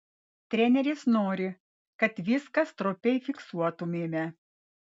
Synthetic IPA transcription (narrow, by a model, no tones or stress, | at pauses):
t̪ʲɾʲɛnʲɛɾʲɪsnoːɾʲɪ | kɐt̪ʋʲɪskɐst̪ɾʊpʲɛɪfʲɪksuɔt̪ʊmʲeːmʲɛ